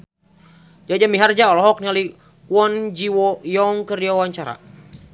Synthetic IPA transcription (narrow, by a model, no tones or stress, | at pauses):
d͡ʒad͡ʒamiɦard͡ʒaɔlɔɦɔk̚niali | kwɔnd͡ʒiwɔjɔŋkəriawaɲt͡ʃaɾa̰